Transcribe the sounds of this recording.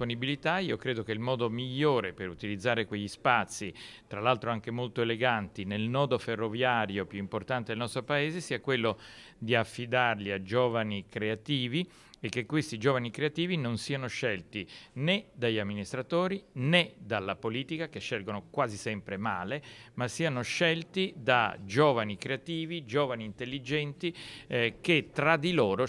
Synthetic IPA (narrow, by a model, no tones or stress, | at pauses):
ponibilit̪aiokɾeːd̪okeilmɔːd̪omiʎːoːɾepeɾut̪ilid̪zːaːɾekweʎːispat̪sːit̪ɾalalt̪ɾoaŋk̟emolt̪oeleɡant̪inelnɔːd̪oferːovjaːɾjopjuimport̪ant̪ed̪elnɔst̪ɾopaeːzesiːakwelːo | d̪iafːid̪arliad͡ʒoːvanikɾeat̪iːvi | ek̟ːekːwest̪id͡ʒoːvanikɾeat̪iːvinonsiːanoʃɛlt̪ined̪aʎːamːinist̪ɾat̪oːɾined̪alːapoliːt̪ikakeʃːɛlɡonokwaːzisɛmpɾemaːlemasːiːanoʃɛlt̪id̪a̰d͡ʒoːvanikɾeat̪iːvid͡ʒoːvaniːnt̪elːid͡ʒɛnt̪ik̟et̪ːɾad̪iloːɾo